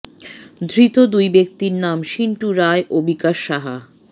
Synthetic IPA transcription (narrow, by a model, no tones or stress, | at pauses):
d̪ʱɾit̪od̪ujbek̚t̪iɾnamʃiɳʈuɾaeʔobikaʃːaɦa̰